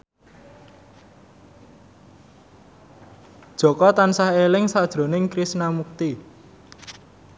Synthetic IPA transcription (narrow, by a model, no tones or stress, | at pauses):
d̥ʒ̥ɔ̤kɔt̪ansahelɪŋsad̥ʒ̥ɾo̤nɪŋkɾisnamuk̚t̪i